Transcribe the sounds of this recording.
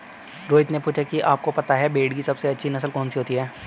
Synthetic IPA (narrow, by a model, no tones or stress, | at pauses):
ɾoːɪt̪nepuːt͡ʃʰakiʔaːp̚kopɐt̪aɦɛbeːɽkisɐbseɐtːʃʰinɐsəlkɔːnsiɦoːt̪iɦɛː